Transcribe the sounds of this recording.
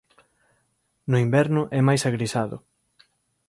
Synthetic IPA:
nʊimbɛɾnʊʔɛmajsaɣɾisaðʊ̰

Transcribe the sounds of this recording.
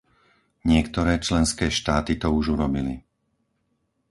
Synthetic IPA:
ɲɪɛkt̪ɔɾɛːt͡ʃlɛnskɛːʃt̪aːt̪it̪ɔuʒuɾɔbili

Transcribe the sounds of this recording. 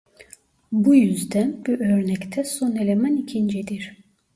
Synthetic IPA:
bujyzd̪ænbuʔøɾnɛct̪ʰɛsonelʲemænicʰind͡ʒɛd̪iɾ̥

